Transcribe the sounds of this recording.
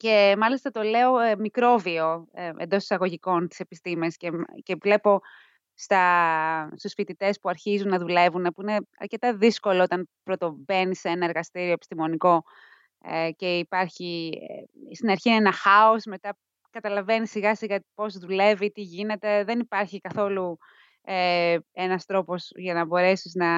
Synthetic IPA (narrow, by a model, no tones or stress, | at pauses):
ce̞mɐlist̪ɐt̪o̞le̞o̞mikɾo̞vio̞end̪ost̪i̥sɐɣo̞ʝiko̞nt̪ise̞pist̪imescece̞vle̞po̞ | st̪ɐ | st̪usfit̪it̪e̞spuɐɾçizunːɐðule̞vune̞puineɐ̰ɾce̞t̪ɐðisko̞loot̪ɐnpɾo̞t̪o̞be̞niseenɐeɾɣɐst̪iɾioepist̪imo̞niko̞ | ece̞ipɐɾçi | st̪inɐɾçiːnenɐxɐo̞sme̞t̪ɐ | kɐt̪ɐlɐve̞nisiɣɐsiɣɐpo̞zðule̞vit̪iʝine̞t̪e̞ðe̞nipɐɾçikɐθo̞lu | eenɐst̪ɾo̞po̞sʝɐnɐbo̞ɾe̞siznɐ